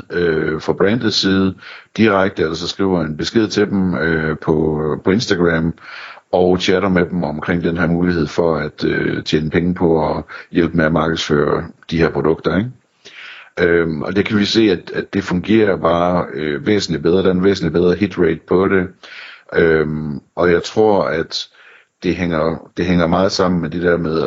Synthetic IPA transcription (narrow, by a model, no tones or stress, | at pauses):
øfʁɑ̈b̥ʁæn̰d̥ð̩ˠsiːð̞̩ˠəd̥iʁaɡ̥̚d̥əælɐsɒ̽sɡ̥ʁḭʊɐenb̥e̝sɡ̥e̝ð̞̰ˠt͡sʰe̝d̥em̩øpʰɒpʰɒ̽e̝nsd̥æɡ̥ʁæmɒʊt͡ɕʰæɾɐmed̥m̩ɒ̽mkʰʁeŋ̰d̥enɦeɐmuːlihe̝ð̞̰ˠfɒ̽æd̥øt͡ɕʰḛːnəpʰeŋəpʰɒ̽ɒjel̰b̥meæmɑ̈ːɡ̥ð̩ˠsfø̰ːɐd̥iheɐpʰʁod̥ɔ̽ɡ̥̚d̥ɐeɡ̥ | ʔøɒ̽d̥ekʰæʋise̝̰ːæd̥æd̥e̝fɔ̽ŋɡ̥e̝̰ːɐb̥ɑ̈ːøʋḛːsn̩lib̥eð̞ˠɐd̥ænʋḛːsn̩lib̥eð̞ˠʁɐɦid̥ʁeɪd̥̚pʰɒ̽ɾe̝ʔømʔɒ̽jɑ̈ɪt͡sʰʁo̝ɐ̰æd̥ː | e̝ɦeŋ̰ɐd̥e̝ɦeŋ̰ɐmɑ̈ːð̞̩ˠsɑ̈m̰n̩med̥e̝d̥ɛɐ̰meðˠ